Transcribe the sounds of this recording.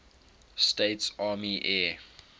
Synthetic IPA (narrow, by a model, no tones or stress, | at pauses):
steːtsaːmiʔɛː